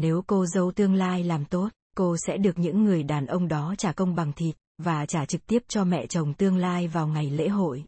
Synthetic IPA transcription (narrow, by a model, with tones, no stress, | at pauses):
ne˨˦wko˧zə˧˨˧wt̪ɨ˧əŋlaː˧jlaː˨˩mt̪o˦˥t̚ko˧sɛ̰˧˥ɗɨ˨˩ək̚ɲɨ̰˧˥ŋːɨ˨˩əjɗaː˨˩nʔə˧wŋ͡mɗɔ˨˦t͡ɕaː˧˩kə˧wŋ͡mɓa˨˩ŋt̪ʰi˨˩t̚vaː˨˩t͡ɕaː˧˩t͡ɕɨ˨˩k̚t̪i˦˥əp̚t͡ɕɔ˧mɛ̰˧˨t͡ɕə˨˩wŋ͡mt̪ɨ˧əŋlaː˧jvaː˨˩wŋa˨˩jlḛ˧˥ɦo̰˧˨j